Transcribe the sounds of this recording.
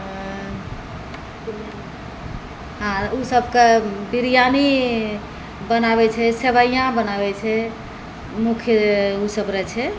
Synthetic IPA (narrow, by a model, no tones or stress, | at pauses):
ɦãusəbʱkebiɾijani | bənaβɛt͡ʃʰɛseβəijãbənabɛt͡ʃʰɛ | mukʰjəusəbɾɛt͡ʃʰɛ